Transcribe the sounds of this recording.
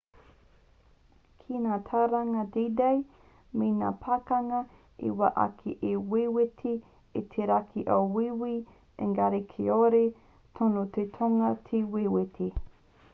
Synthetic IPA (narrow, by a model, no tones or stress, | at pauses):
kʰinaːtʰɐwɾɐŋɐdidɐj | mena̰ːpʰɐkɐŋɐ | ḭwɐʔɐ̰kʰḛʔewewɪtʰi | et̪ʰeɾakʰiʔɐwwiwi | ḛŋɡaɾekʰeoɾe | tʰonot̪ʰet̪ʰoŋɐt̪ʰewewɪtʰe